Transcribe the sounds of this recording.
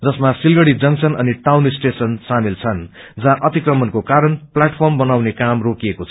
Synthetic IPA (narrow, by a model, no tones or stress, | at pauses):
d͡zʌsmasilɡʌɽid͡zʌŋsʌnʌ̰niʈawnisʈesʌnsamilt͡sʰʌn | d͡zaʔʌt̪ikrʌmʌnkokaɾʌnplaʈpʰʌrmbʌnawnekamrokiekot͡sʰʌ